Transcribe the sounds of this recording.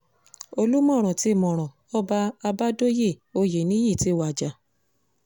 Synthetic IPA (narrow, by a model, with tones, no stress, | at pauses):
o˧lu˦mɔ̃˦˨ɾ̃ɔ̃˨ti˧˦˨mɔ̃˨ɾ̃ɔ̃˨ | ɔ˦ba˧a˧ba˦do˦je˦˨o˧je˨nĩ˦ji˦˨ti˨˦˨wa˨d͡ʒa˨